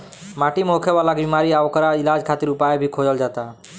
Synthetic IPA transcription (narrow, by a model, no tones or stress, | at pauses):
maʈimokʰəwalakbimaɾiaʋɔkəɾailad͡ʒkʰat̪iɾupajebʱikʰod͡ʒəld͡ʒat̪a